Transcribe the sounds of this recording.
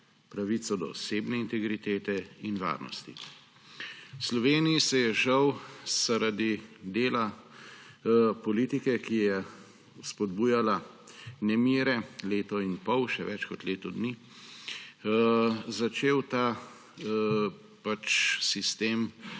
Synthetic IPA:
pɾaʋit̪sɔd̪ɔ̰ːseːbnɛint̪ɛɡɾit̪eːt̪ɛinʋa̰ːɾnɔ̰st̪ḭ | wslɔʋeːnijisɛjɛʒɐwz̥aɾad̪id̪eːla | pɔliːt̪ikɛkijɛ | spɔd̪buːjala | nɛmiːɾɛleːt̪ɔinpɔwʃɛʋɛt͡ʃkɔt̪leːt̪ɔd̪ni | zat͡ʃeːwt̪aː | pat͡ʃsist̪eːm

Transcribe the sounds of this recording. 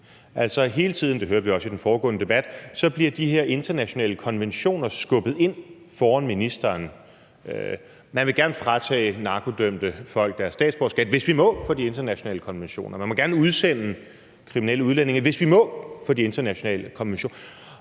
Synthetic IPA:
ʔæl̰sɒ̽ɦe̝ːlət͡sʰið̞̰ˠn̩d̥e̝ɦøɐʋiɒ̽sid̥enfɒːɡ̥ɔ̰̽ːnəd̥e̝b̥æd̥sɒ̽b̥liɐd̥ihe̝ɐ̰e̝nd̥ɐnæɕo̝nɛ̰ːləkʰɒ̽nʋenɕo̝̰ːnɐsɡ̥ɔ̽b̥ð̞̩ˠe̝n̰ | fɒːɒnminisd̥ɐːn | mænʋe̝ɡ̥æɐnəfʁɑ̈t͡sʰɛ̰ːnɑ̈ːkʰo̝d̥øm̰d̥əfɒ̽l̰ɡ̥̚d̥æɐsːd̥ɛ̰ːd̥sb̥ɒːsɡ̥ɛd̥ʋe̝sʋimɔ̽fɒ̽die̝nd̥ɐnæɕo̝nɛ̰ːləkʰɒ̽nʋenɕo̝̰ːnʔɐmænmɒ̽ɡ̥æɐnəuð̞ˠsen̰ | kʰʁiminḛləuðˠlæn̰e̝ŋɐʋe̝sʋimɔ̽fɒ̽d̥ie̝nd̥ɐnæɕo̝nɛ̰ːləkʰɒ̽nʋenɕo̰ːn

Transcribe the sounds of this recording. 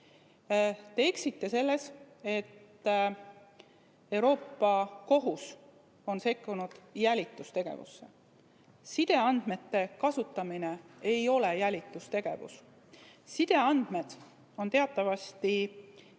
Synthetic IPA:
t̪eeksit̪ːe̞se̞lːe̞s | e̞t̪ː | e̞wɾo̞ːpːˑɑko̞ɦus | o̞nse̞kːunud̪̥jælʲit̪ːˑust̪e̞ɡ̥e̞̰vṵsːe̞̰ | sid̪̥e̞ɑnd̪̥me̞t̪ːe̞kɑsut̪ːˑɑmine̞ejo̞le̞jælʲit̪ːˑust̪e̞ɡ̥e̞̰vṵs | sid̪̥e̞ɑnd̪̥me̞d̪̥ | o̞nt̪e̞ɑt̪ːˑɑvɑst̪i

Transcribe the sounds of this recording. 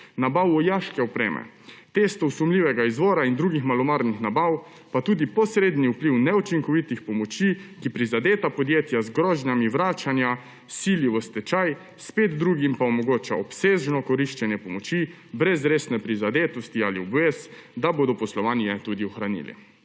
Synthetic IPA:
nabawɔjaːʃkɛɔpɾḛːmɛ̰ | t̪eːst̪ɔwsumliːʋɛɡaizʋɔːɾaind̪ɾuːɡixmalɔmaɾnixnabaw | pat̪uːd̪ipɔsɾeːd̪niupliwnɛut͡ʃiŋkɔʋit̪ixpɔmɔt͡ʃikipɾizad̪eːt̪apɔd̪jeːt̪jazɡɾɔːʒnamiʋɾaːt͡ʃanja | siliʋɔst̪ɛt͡ʃaj | speːd̪d̪ɾuːɡimpaɔmɔɡoːt͡ʃa̰ɔpseːʒnɔkɔɾiʃt͡ʃɛnjɛpɔmɔt͡ʃi | bɾɛzɾeːsnɛpɾizad̪eːt̪ɔst̪ialiɔbʋeːsd̪aboːd̪ɔpɔslɔʋaːnjɛt̪uːd̪iɔxɾanḭːlḭ

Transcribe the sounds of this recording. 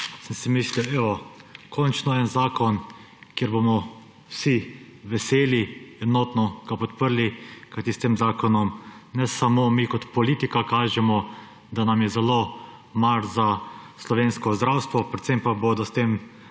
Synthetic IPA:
səmsɛmisliwɛɔkʰɔnt͡ʃnɔɛnzaːkɔn | kjeɾbomɔ | wsi | ʋɛseːliɛnɔːt̪nɔɡ̥apɔt̪pəɾlikajt̪ist̪eːmzaːkɔnɔmnɛsamomikɔt̪pɔlit̪ikakaːʒɛmɔ | d̪anamjɛzɛlo | maɾzaslɔʋeːnskɔzd̪ɾawst̪ʋɔpɾɛt̪sempaboːd̪ɔst̪eːm

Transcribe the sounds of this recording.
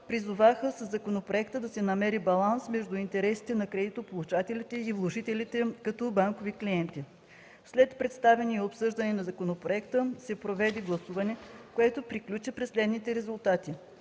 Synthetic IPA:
pɾizʊvaxəsəzːɐkonopɾoɛkt̪əd̪ɐsɛnɐmɛɾibɐlˠansmɛʒd̪ʊint̪ɛɾɛsi̥t̪ɛnɐkɾɛd̪it̪opolˠut͡ʃat̪ɛlʲit̪ɛivlˠoʒit̪ɛlʲit̪ɛkɐt̪ɔbaŋkovikliɛnt̪i | slɛt̪pɾɛt̪st̪avɛniɛopsɤʒd̪ɐnɛnɐzɐkonopɾoɛkt̪əsɛpɾovɛd̪ɛɡlˠɐsuvɐnɛkoɛt̪opɾiklʲut͡ʃipɾɛsːlɛd̪nit̪ɛɾɛzulˠt̪at̪i

